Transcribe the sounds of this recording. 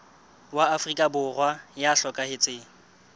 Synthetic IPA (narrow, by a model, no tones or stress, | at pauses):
waːfrikʼabʊrwajaɬɔkʼahɪt͡sʼɪːŋ̩